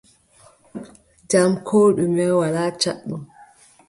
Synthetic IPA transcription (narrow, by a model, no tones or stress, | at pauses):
d͡ʒamkʰoːɗumɛwalaːt͡ʃa̰ɗːɔm